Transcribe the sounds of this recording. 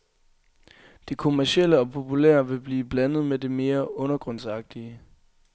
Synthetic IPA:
d̥ekʰo̝mæɐɕel̰əɒ̽pʰo̝pʰulḛɐʋe̝b̥liːb̥lænð̞̩ˠmede̝me̝ːɐɔ̽nɐɡ̥ʁɔ̽n̰sɑ̈ɡ̥̚d̥iə

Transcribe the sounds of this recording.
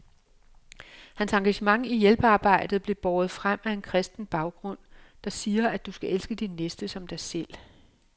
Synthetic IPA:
hænsɑ̈ŋɡ̥æɕəmɑ̈ŋijelb̥əɑ̈ːb̥ɑ̈ɪ̰d̥ð̩ˠb̥le̝b̥ɒːð̞̩ˠfʁam̰æe̝nkʰʁɛsd̥n̩b̥ɑ̈ʊɡ̥ʁɔ̽n̰d̥ɑ̈siːɐæd̥usɡ̥æʔelsɡ̥əd̥inːesd̥əsɒ̽md̥ɑ̈ɪsel̰

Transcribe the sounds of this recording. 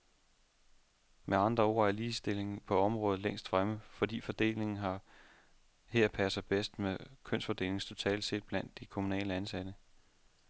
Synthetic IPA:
mʔeɑ̈nd̥ʁɐo̝̰ːæɐliːsd̥e̝le̝ŋ̩pʰɒ̽ɒ̽mʁɔ̽ːð̞̩ˠleŋ̰sd̥fʁaməfɒ̽d̥ḭːfɒ̽d̥e̝̰ːle̝ŋn̩ɦɑ̈ | he̝ɐ̰pʰæsɐb̥esd̥mekʰøn̰sfɒ̽d̥e̝̰ːle̝ŋst͡sʰo̝t͡sʰɛ̰ːl̥se̝̰ːd̥̚b̥læn̰d̥ːikʰo̝munɛ̰ːləænsæd̥ə

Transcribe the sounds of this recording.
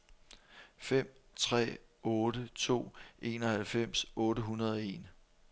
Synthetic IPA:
fem̰t͡sʰʁɛ̰ːɔ̽ːɾət͡sʰo̝̰ːʔe̝ːnɒ̽hælfem̰sɔ̽ːɾəɦunɐð̞ˠɒe̝̰ːn

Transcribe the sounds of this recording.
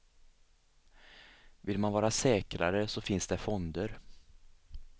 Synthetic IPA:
vɪlmanvɑːɾasɛːkɾa̰ɾəsɔfɪnsd̪ɛfɔnd̪əɾ

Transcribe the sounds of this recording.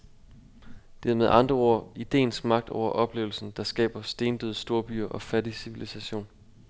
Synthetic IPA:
d̥æɐmeð̞̩ˠɑ̈nd̥ʁɐo̝ɐ̰id̥e̝̰ːnsɡ̥mɑ̈ɡ̥̚d̥ɒ̰ʊ̰ɐʔɒ̽b̥le̝ːʊl̩sn̩d̥ɑ̈sɡ̥ɛ̰ːb̥ɐsd̥e̝ːnd̥øðˠsd̥o̝ɐb̥y̰ɐʔɒ̽fædisiʋilisæɕo̝̰ːn

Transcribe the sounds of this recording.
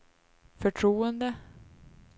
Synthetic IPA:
fœʈʰɾuːənd̪ə

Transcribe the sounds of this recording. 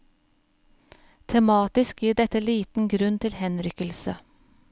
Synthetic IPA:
t̪ʰɛmɑːt̪ɪskjiːɖɛt̪əliːt̪n̩ɡɾʉnt̪ʰɪlhɛnɾʏkəlsə̰

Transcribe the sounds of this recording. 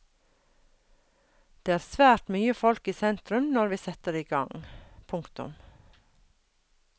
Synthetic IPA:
d̪̥eːæːɾsʋæːʈmyːəfɔlkiːsɛnt̪ɾʉmnɔɾʋiːsɛt̪əɾeːiːɡɑŋpʰʊŋkt̪ʊ̰m

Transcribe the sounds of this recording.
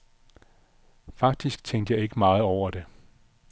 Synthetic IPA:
fɑ̈ɡ̥̚d̥isɡ̥̚t͡sʰeŋ̰d̥əjɑ̈ɪe̝ɡ̥əmɑ̈ːð̞̩ˠɒʊ̰ɐd̥e̝

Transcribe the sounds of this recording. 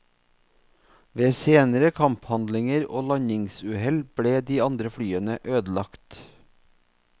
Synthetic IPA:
ʋeːseːnəɾəkʰɑmphɑnd̪lɪŋəɾo̰ːlɑɲɪŋsʉːhɛlb̥ɽeːd̪iːɑnd̪ɾəfɽyːənəʔøːd̪lɑkt̪

